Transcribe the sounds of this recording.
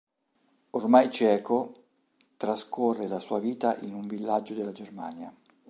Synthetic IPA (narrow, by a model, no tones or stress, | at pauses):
ormajt͡ʃɛːkʰo | t̪ɾaskorːelasuːaviːt̪aʔinuɱvilːad͡ʒːod̪elːad͡ʒerma̰ːnja